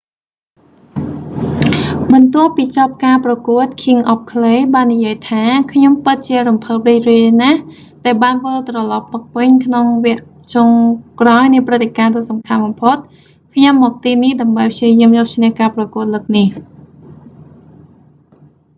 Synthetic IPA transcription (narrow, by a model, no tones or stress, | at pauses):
ɓɑnt̪ŏəhpiːt͡ɕɑp̚kaːprɑkuət̪̚kʰiəŋʔɑp̚kʰlejɓaːnːijiəjt̪ʰaːkʰɲompɨt̪̚t͡ɕiəɾumpʰəːp̚riːc̚riənah | ɗaɛlɓaːnʋəlt̪rɑlɑpːɨk̚pɨɲkʰnoŋʋɛəʔ | t͡ɕoŋkraɔjnɨəprɨt̪ʰːekaːt̪ɨːsɑmkʰanɓɑmpʰot̪̚ | kʰɲɑmːɔːk̚t̪iːnihɗaəmɓəjpʰt͡ɕiəjiəmjɔːp̚t͡ɕʰnɛhkaːprɑkuət̪̚ləːk̚nih